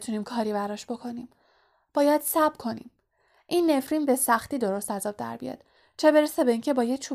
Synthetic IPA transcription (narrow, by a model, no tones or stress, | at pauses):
t̪ʰuniːmkʰɒːɾibæɾɒʃb̥o̞kʰo̞niːm | b̥ɒːjæd̪̥sæb̥kʰo̞nḭːm | ʔinːe̞fɾiːmbe̞sæxt̪iːd̪o̞ɾo̞st̪æzɒːb̚d̪æ̰ɾbḭjɒ̰d̪̥ | t͡ʃʰe̞be̞ɾesebe̞iːŋcʰe̞bɒːjet͡ʃʰu